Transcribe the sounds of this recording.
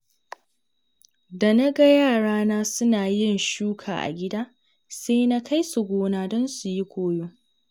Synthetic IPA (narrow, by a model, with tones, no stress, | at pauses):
da˨na˦ɡa˦jaː˦˨ɽaː˦naː˦sʊ˦naː˨jɪ˦˨nʃuː˦kʰa̰ː˨ʔa̰˨ɡʲɪ˦daː˦ | seː˦na˦kʰa˦jsu˨ɡʷoː˦naː˨dɔ˦nsu˨ji˦kʷoː˦joː˦